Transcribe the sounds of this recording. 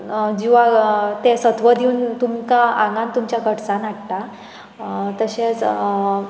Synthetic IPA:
d͡ʑiʋ̤at̪esət̪ʋəd̪ʱiunt̪umkããŋɡãnt̪umt͡ɕjakəʈt͡sãnaʈʈ̪a | t̪əɕet͡s

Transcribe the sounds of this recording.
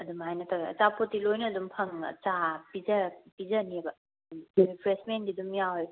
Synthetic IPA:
ɐdumhajnɐtʰaɡɐɐ̰t͡ʃapʰotːilojnɐːdumpʰɐŋɐ̰t͡ʃapizɐpizɐnibɐ | dumjunipʰɾesmendidumjawhaj

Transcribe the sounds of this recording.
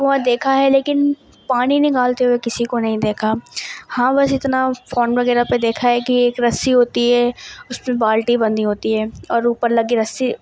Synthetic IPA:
ʋoɦãd̪eːkʰaɦɛleːkɪn | paːninɪ̃kaːlt̪eɦoekɪsikonɐɦĩd̪eːkʰahãːbɐsɪt̪nafoːnʋɐɡɛːɾaped̪eːkʰaɦɛkieːkɾɐsːiɦoːt̪iɦɛʊsmẽbaːlʈibɐ̃nd̪iɦoːt̪iɦɛːɔːɾuːpəɾlɐɡiɾɐsi

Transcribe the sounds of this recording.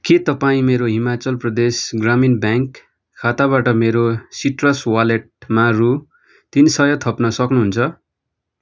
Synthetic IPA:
ket̪ʌpaĩmeɾoɦimat͡sʌlprʌd̪esɡraminbjaŋkʰː | at̪abaʈʌmeɾosiʈrʌswaleʈ̚maru | t̪insʌjʌt̪ʰʌpnʌsʌknuɦunt͡sʰʌ

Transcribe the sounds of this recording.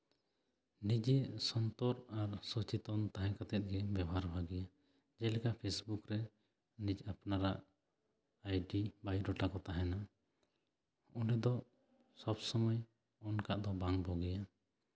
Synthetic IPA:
nid͡ʒɛsɔnt̪ɔɾaɾsɔt͡ʃit̪ɔnt̪aɦɛ̃kat̪ɛt̪̚ɡɛbɛbɔɦaɾbʱaɡɛja | d͡ʒɛlɛkaʔpʰesbukɾɛ | nid͡ʒapnaɾaʔ | ajɖibajɖɔʈakɔt̪aɦɛna | ɔɖɛd̪ɔ | sɔbsɔmɔj | ɔnkaʔd̪ɔbaŋbɔɡɛja

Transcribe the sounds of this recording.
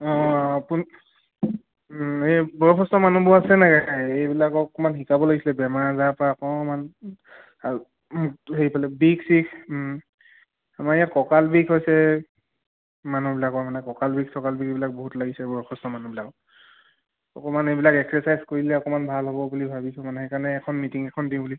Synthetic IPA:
ɔ̃pun | ebɔɹɔɔstɔmanubɔasɛnakaaejbilakɔkɔmanxikabɔlaɡisilɛbɛmaɹzapaɔkɔman | ɦeipalɛbiksikʰ | amaɹijakɔkalbikɦojsɛ | manubilakɔmanɛkɔkalbik̚sɔkalbikebilak̚boɦutlaɡisɛbɔɹɔkʰɔstɔmanubilakɔ | ɔkɔmanejbilakɛksɔsajzkoɹilɛɔkɔmanbʱalɦobɔbulibʱabisɔmanɛhejkaɹnɛːkʰɔnmitiŋɛkʰɔndĩbuli

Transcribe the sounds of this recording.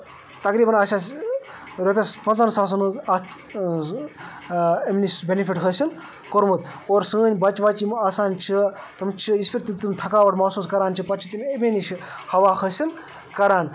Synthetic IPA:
t̪ɐkɾiːbɐnɐːsʲaːs | ɾopʲespɐnzɐnsaːs̬ɐnɨzɐt̪ʰ | emnisbʲenifiʈɦəsʲin | koɾmut̪oːɾsɨənʲbɐt͡ʃʋat͡ʃimaːsaːnt͡ʃʰi | t̪ɨmt͡ʃʰiispʲiɾt̪ɨt̪ɨmʲt̪ʰɐkaːʋɐʈmɐsuːskɐɾaːnt͡ʃʰipɐt͡ʃʰit̪imʲemʲenʲiʃhɐʋaːxɐsʲin | kɐɾaːn

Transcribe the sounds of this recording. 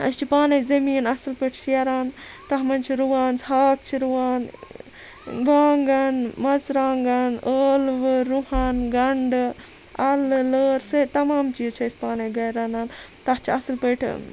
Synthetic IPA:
ɐ̰st͡ʃʰipaːnɐjzɐmiːnɐsɨlpɐʈʰʃʰijɐɾaːnt̪ɐɦmɐnt͡ʃʰiɾuʋaːnsɦaːk̚t͡ʃʰiɾuʋaːn | baːŋɡɐnmɐzɾaːŋɡanəːlʋɨɾuhaːnɡɐɳɖɨ | ɐlləːɾsɐt̪ɐmaːmt͡ʃiːzt͡ʃʰɐsʲpaːnɐjɡɐjɾanaːn | t̪ɐht͡ʃʰiɐslpɐʈʰ

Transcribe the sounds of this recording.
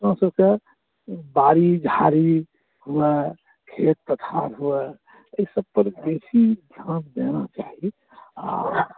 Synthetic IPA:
ɾãsəbke | baɾid͡ʒʱaɾi | hue | kʰet̪̚t̪ət̪ʰaɾɦue | əisəb̚pəɾb̪esid̪ʱjãtd̪enat͡ʃaɦi | a

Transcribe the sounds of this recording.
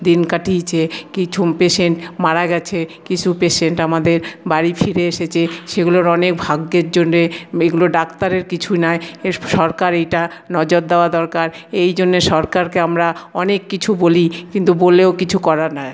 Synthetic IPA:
d̪inkaʈit͡ɕʰekit͡ɕʰupeʃeɳʈmaɾaɡɛt͡ɕʰekit͡ɕʰupeʃeɳʈamad̪eɾbaɾifʰiɾeeʃet͡ɕʰeʃeɡuloɾɔnek̚bʱaɡːeɾd͡ʑonːeeɡuloɖakt̪aɾeɾkit͡ɕʰunaeʃɔɾkaɾejʈanɔd͡ʑoɾ̚d̪eoad̪ɔɾkaɾejd͡ʑonːeʃɔɾkaɾkeamɾaɔnekːit͡ɕʰubolikint̪uboleokit͡ɕʰukɔɾaɾna

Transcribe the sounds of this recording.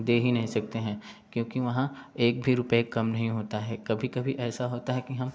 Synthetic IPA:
d̪eːɦinɐɦĩsɐk̚t̪eɦɛ̃ːkjõːkiʋɐɦãeːk̚bʱiɾʊpekːɐmnɐɦĩɦoːt̪aɦɛkɐbʱikɐbʱiʔɛːsaɦoːt̪aɦɛkiɦɐm

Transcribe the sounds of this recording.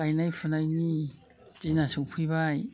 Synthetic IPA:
ajnajpʰunajni | z̥inasuŋpʰɯjβaj

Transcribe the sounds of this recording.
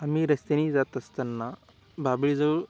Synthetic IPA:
amiɾəst̪eniːd͡zat̪əst̪ənːa | babɭid͡zə

